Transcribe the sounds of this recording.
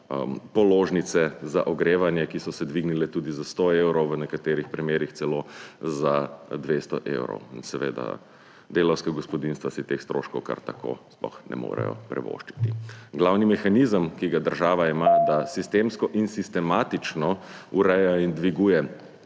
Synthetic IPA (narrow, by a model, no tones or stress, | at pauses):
pɔloːʒnit̪sɛzaʔɔɡɾeːʋanjɛkisɔsɛd̪ʋiɡnilɛt̪uːd̪izast̪oewɾɔwʋənɛkat̪eːɾixpɾimeːɾixt̪sɛlozad̪ʋest̪ɔʔḛwɾɔ̰winsɛʋḛːd̪a̰ | d̪eːlɔwskaɡɔspɔd̪inst̪ʋasit̪exst̪ɾo̰ʃkɔwka̰ɾt̪akʰo̰splɔ̰xnɛ̰mo̰ːɾɛ̰jɔ̰pɾɛ̰ʋo̰ːʃt͡ʃi̥t̪iɡlawnimɛxanizəmkiɡad̪əɾʒaːʋaimad̪asist̪emskɔʔinsist̪ɛmaːt̪it͡ʃnɔuɾɛjaind̪ʋiɡuːjɛ